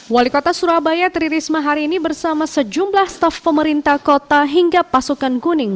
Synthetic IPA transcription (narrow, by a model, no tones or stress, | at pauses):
walikot̪asuɾabajat̪əɾiɾismaɦaɾiːnibərsamasəd͡ʒumblahst̪afpəməɾint̪akot̪aɦiŋɡapasukankunɪŋ